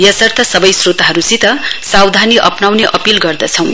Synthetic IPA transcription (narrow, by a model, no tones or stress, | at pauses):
jʌsʌrt̪ʰʌsʌbʌjsrot̪aɦʌɾusit̪ʌsawd̪ʱaniʔʌpnawneʔʌpilɡʌrd̪ʌt͡sʰʌw̃